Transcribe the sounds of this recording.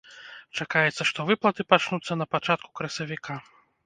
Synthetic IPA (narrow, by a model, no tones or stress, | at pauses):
t͡ʂakajɛt̪sːɐʂt̪ɔvɨplˠɐt̪ɨpat͡ʂnut̪sːɐnɐpat͡ʂat̪̚ku̥kɾɐsʲɐvʲikʰa